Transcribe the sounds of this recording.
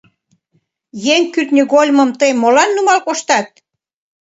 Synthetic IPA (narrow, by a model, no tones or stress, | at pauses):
jeŋkyt̪nʲyɣolʲməmt̪əjmolɑnːumɑlkoʃt̪ɑt̪̚